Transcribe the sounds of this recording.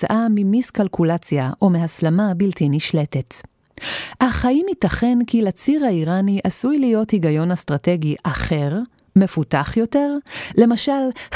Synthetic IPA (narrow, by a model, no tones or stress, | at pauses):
aʔamimiskalkulat͡sjaʔomehaslamabiltiniʃle̞te̞t | haχaimitaχe̞nkilat͡siʁhaiʁaniʔasujlijo̞thiɡajo̞nastʁate̞ɡiʔaχe̞ʁ | me̞futaχjo̞te̞ʁle̞maʃalh